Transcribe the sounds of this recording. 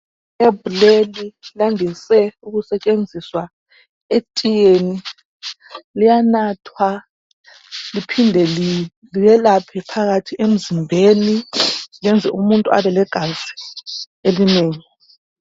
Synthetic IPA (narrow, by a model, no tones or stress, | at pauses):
ebulelilaŋisɛuɣusɛt͡ʃʼend͡zʱiswa | etʼijeni | lijanatʰwa | lipʰindʱɛli | liβɛlapʰɛpʰaɣatʰiʔem̩zimbʱeniŋɛnd͡zʱɛ̰ʔumuntʼua̰βɛlɛɡ̥ʱazi | elineːŋi